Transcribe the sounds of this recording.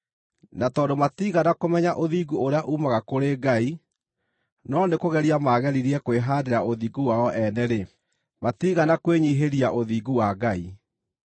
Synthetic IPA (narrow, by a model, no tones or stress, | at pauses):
natɔːdomatiːɣanakomɛɲaʔoðiːɡuoɾeaʔuːmaɣakoɾeɡai | nɔnekoɣɛɾiamaɣɛɾiɾiɛkweɦaːdeɾaoðiːɡuwaɔʔɛnɛɾe | matiːɣanakweɲiɦeɾiaʔoðiːɡuwaɡai